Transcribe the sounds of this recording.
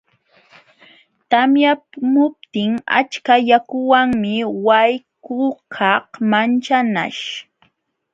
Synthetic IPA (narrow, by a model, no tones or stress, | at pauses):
t̪amjamʊp̚t̪ɪŋa̰t͡ʃkajakʊwaŋmɪwajkʊkʰɑhmant͡ʃana̰ʃ